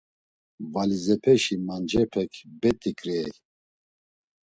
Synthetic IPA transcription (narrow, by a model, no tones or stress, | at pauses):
valizɛpʰɛʃimand͡ʒɛpʰɛkʰbɛt̪ʼikʼɾɛj